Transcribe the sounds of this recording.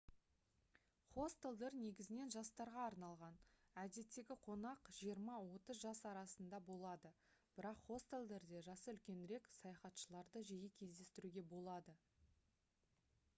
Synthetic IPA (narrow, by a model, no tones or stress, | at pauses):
χo̞st̪elˠd̪eɾne̞ɡʲɪzɪne̞nʒɑst̪ɑɾʁɑːɾnɑlˠʁɑnæd̪e̞t̪ːe̞ɡʲɪqʰo̞nɑqʒ̥ijəɾmɑwo̞t̪əzʒɑsɑɾɑsənd̪ɑbo̞lˠɑd̪ə | b̥ɪɾɑqχo̞st̪elˠd̪e̞ɾd̪e̞ʒɑsəʏlkʲe̞nɾe̞ksɑjɑχɑt̪ʃəlˠɑɾd̪əʒejɪkʲʰe̞zd̪e̞st̪ɪɾuɡʲe̞bo̞lˠɑd̪ə